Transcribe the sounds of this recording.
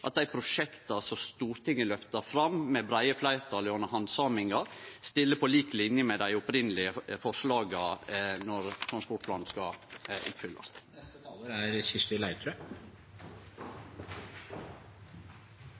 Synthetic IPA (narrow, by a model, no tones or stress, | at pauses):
ʔɑ̰t̪̚d̪æɪpʰɾʊʂɛkt̪ɑsɔst̪uːɾt̪ʰɪŋːəlœft̪əfɾɑmmɛbɾæɪəflæɪɾt̪ʰɑlɪɔnːəhɑnd̪sɑːmɪŋɑst̪ɪlːəpʰɔliːklɪnjəmɛd̪æɪʊpɾɪnəlɪəfɔʂlɑːɡɑnɔɾt̪ʰɾɑnspɔʈ̚pʰlɑːn̩skɑʔʊ̰pːfʏlːɑ̰snɛst̪ət̪ʰɑːləɾæɾçɪst̪ɪlæɪt̪ʰɾɛ